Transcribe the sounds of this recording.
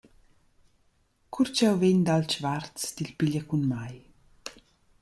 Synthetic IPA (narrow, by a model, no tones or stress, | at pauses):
kʰuɾt͡ʃɛwveɲd̪alt͡ʃvart͡sd̪ilpiʎəkunmaj